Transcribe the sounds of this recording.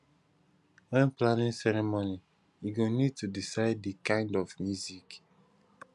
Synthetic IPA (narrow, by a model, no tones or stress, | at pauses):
wɛ̃nplanĩnsɛɹɛmoni | iɡõnid̚tudisaɪddikãɪ̃ndɔvmjuzik